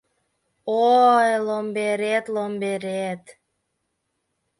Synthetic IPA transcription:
ojlombeɾet̪lombeɾet̪

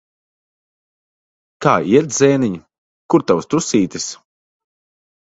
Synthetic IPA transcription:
kaːiɛɾzɛːniɲi | kuɾt̪awst̪usiːt̪ʲis

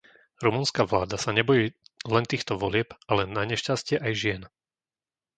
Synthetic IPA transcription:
ɾumunskaʋlaːd̪asaɲɛbɔjiːlɛnt̪iːxt̪ɔʋɔlɪɛpalɛnːaɲɛʃcascɪɛʔajʒɪɛn

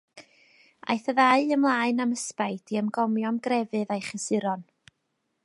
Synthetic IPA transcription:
a̰jθəðaɨəmlˠaːɨnaməspajd̥iəmɡɔmjɔmɡrɛvɨðajχəsɨɾɔn

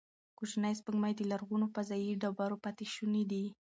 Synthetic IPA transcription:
kuʒnajspəɡmajd̪əlaɾɣunopazajiɖabaɾopat̪iʃunid̪i

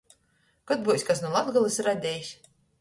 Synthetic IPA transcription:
kat̪̚buːsʲkas̬nulˠad̪d̪ɡalˠɨsɾad̪ʲɛːjisʲ

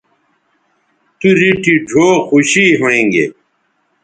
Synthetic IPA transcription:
t̪uɾiʈiɖʱoːxuɕiɦoẽːŋɡḛː

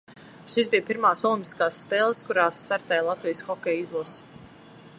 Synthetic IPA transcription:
ʃisbijpiɾmaːsɔlˠĩmpi̥skaːsːpeːlˠskuɾaːsːt̪aɾt̪ɛjlˠat̪vijsxɔkʲɛːjizlˠas

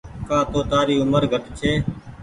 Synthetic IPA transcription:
kaːt̪oːt̪aːɾiːʊməɾɡʱəʈt͡ʃʰeː

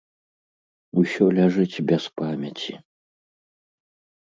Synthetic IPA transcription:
usʲɔlʲaʐɨt͡sʲbʲɛspamʲɐt͡sʲi

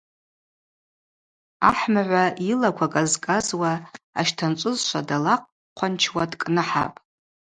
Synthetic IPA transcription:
aħmaʕʷailakʷʰakʼazkʼazwaaʃtʰant͡ʃʷʼʊzʃʷadalaq̚ʼ | qʷʰant͡ʃʰwadʼkʼnɨħa̰pʼ

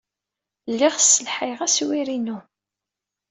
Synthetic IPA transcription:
lːɪʁsəlħiʁæswiɾinu

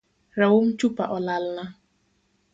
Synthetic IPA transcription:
ɾawom̩t͡ʃupaʔɔlal̩na

